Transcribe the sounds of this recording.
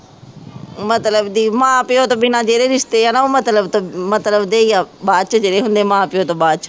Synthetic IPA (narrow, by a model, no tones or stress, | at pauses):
mɐt̪ləbd̪iːmãːpɪjot̪oɓɪnãd͡ʑeːɾeɾɪʃt̪ejanaomɐt̪ləbt̪omɐt̪ləbd̪eːjaɓaːt͡ʃʊd͡ʑeːɾeɦũːnd̪emãːpɪjot̪oɓaːt͡ʃʰ